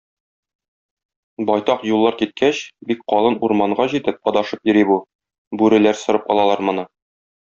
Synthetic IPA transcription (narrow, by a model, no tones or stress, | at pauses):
bɒjt̪ɑqjulˠːɑɾkit̪̚kʰæɕbik̚qɒlˠɤnuɾmɑɴɢɑʑit̪ɘp̚qɒd̪ɑʃɤpjɵ̆ɾibu | bʉɾɘ̆læɾsɤ̆ɾɤpɒlˠɑlˠɑɾmɤ̆nɤ